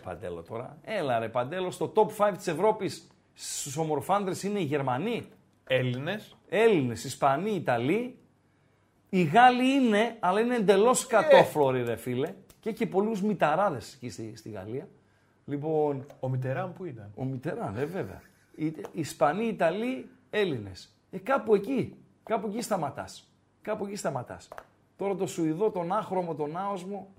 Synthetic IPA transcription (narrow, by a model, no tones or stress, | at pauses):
pɐ̰nd̪e̞̰lo̞̰t̪o̞ɾɐ̰e̞lɐɾepɐnd̪e̞lo̞st̪o̞t̪o̞pfɐjvt̪i̥se̞vɾo̞pis | st̪uso̞mo̞ɾfɐnd̪ɾesine̞iʝe̞ɾmɐni | elines | e̞line̞sispɐniːt̪ɐli | iɣɐliine̞ɐlɐineːnd̪e̞lo̞skɐt̪o̞flo̞ɾiɾefile̞ | cece̞po̞luzmit̪ɐɾɐðe̞se̥cisist̪iɣɐ̰liɐ | lipo̞nomit̪eɾɐnpuit̪ɐno̞mit̪e̞ɾɐneve̞vḛɐ̰ | iispɐniːt̪ɐlie̞line̞s | ekɐpue̞ci | kɐpue̞cist̪ɐmɐt̪ɐ̰s | kɐpue̞cist̪ɐmɐt̪ɐ̰s | t̪o̞ɾɐt̪o̞suiðo̞t̪o̞nɐxɾo̞mo̞t̪o̞nɐo̞zmo